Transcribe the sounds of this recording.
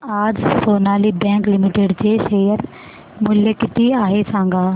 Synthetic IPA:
aːd͡ʒsoːnaːliːbɛ̃ːŋklɪmɪʈeɖt͡ʃeːʃeːjəɾ | mʊljəkɪt̪iːaːɦesãːŋɡaː

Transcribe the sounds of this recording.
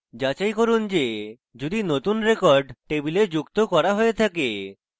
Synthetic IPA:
d͡ʑat͡ɕajkoɾund͡ʑe | d͡ʑud̪inot̪unɾekɔɾɖʈebiled͡ʑukt̪okɔɾaɦoet̪ʰake

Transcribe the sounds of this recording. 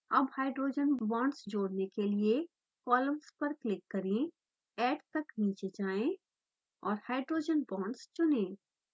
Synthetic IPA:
ɐbhaːɪɖɾoːd͡ʒənbɔ̃ːɳɖsd͡ʒoːɽnekelie | kɔːlə̃mspɐɾklɪkːɐɾẽ | ɛːʈt̪ɐkniːt͡ʃed͡ʒaːẽ | ɔːɾhaːɪɖɾoːd͡ʒənbɔ̃ːɳɖst͡ʃʊnẽː

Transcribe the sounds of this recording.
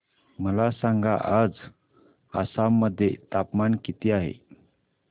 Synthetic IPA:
məlasãŋɡa̰ʔad͡z | a̰samːəd̪ʱːjet̪apmankit̪iaɦḛ

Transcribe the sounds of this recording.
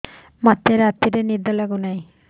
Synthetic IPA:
mat̪ːeɾat̪iɾenid̪ɔlaɡunaĩ

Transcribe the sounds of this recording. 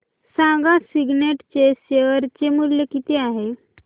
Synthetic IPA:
sãɡasiɡneʈt͡ɕeɕeʋəɾt͡ɕemuljekit̪eaɦe

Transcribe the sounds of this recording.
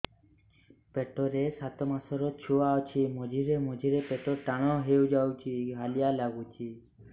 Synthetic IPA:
peʈɔɾesat̪ɔmasɔɾɔt͡ʃʰuawt͡ʃʰimɔd͡ʒiɾemɔd͡ʒʱiɾepeʈɔʈaɽ̃ɔɦewd͡ʒawt͡ʃʰiɦalijalaɡut͡ʃʰi

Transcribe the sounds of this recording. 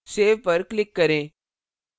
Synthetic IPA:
seːʋpəɾklɪkːɐɾẽː

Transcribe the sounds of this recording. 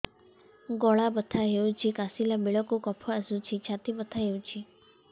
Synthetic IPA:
ɡɔɭabət̪ʰaɦewt͡ʃʰikasilabeɭɔkukɔpʰɔasut͡ʃʰit͡ʃʰat̪ibət̪ʰaɦewt͡ʃʰi

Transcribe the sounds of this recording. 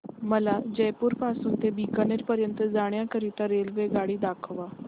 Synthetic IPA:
məlaːd͡ʒɛːpʊɾpaːsʊ̃nt̪ebiːkaneɾpəɾjə̃nt̪zaːɽ̃jãkəɾit̪ãɾeːlʋeːɡaːɽid̪aːkʰəʋaː

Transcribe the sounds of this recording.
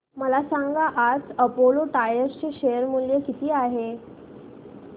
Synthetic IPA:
məlasaŋɡaʔad͡zəpoloʈajəɾt͡ɕeɕejəɾmuljəkit̪ʰiːaɦe

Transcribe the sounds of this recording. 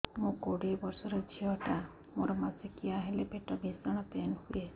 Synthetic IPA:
mũkoɽibɔɾsɔɾɔd͡ʒʱiɔʈa | moɾɔmasekiaɦelepeʈɔbisɔɽ̃ɔt̪enhue

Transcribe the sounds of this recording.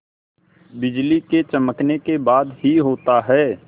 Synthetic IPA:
bɪd͡ʒliket͡ʃɐməknekebaːd̪hiɦoːt̪aɦɛː

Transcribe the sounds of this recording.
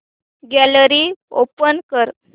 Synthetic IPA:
ɡæləɾiːo̰pənkəɾ

